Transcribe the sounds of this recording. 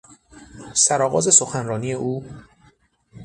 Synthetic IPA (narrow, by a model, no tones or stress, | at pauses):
sæɾɒːɣɒ̰ːze̞so̞xænrɒːnije̞ʔuː